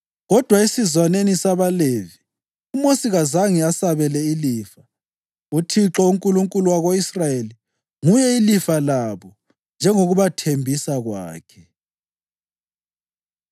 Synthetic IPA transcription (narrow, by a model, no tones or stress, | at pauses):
ɣɔd̥ʱwaesizwanenisaβalevi | umosiɣazaŋiasaβɛlɛiliːfa | utʰiǁɔuŋkʼuluŋkʼuluwaɣoisrajeli | ŋujɛilifalaβɔ | nd͡ʒʱɛŋoɣuβatʰembʱisaɣwa̰ːkʰɛ̥